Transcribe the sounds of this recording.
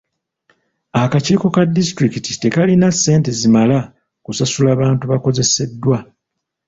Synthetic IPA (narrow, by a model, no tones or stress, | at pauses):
akaciːko̞kadːistɾikitite̞kalinase̞ːnte̞zimala | kusasulaːβaːntuβako̞ze̞se̞dːwa